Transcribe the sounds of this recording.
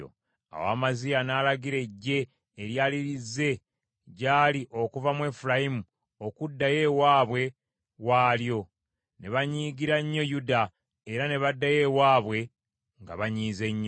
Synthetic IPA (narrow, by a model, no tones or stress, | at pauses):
o̰ | a̰wa̰ːmazijanaːlaɡiɾe̞ɟːe̞ː | ɾjaːliɾizːe̞ | ɟaːliʔo̞kuvamwe̞ːfuɾajimu | o̞kudːaje̞waːβwe̞ | waːljo̞ | ne̞βaɲiːɡiɾaɲːo̞juda | eɾane̞βadːaje̞waːβwe̞ | ŋɡa̰βaɲiːze̞ɲːo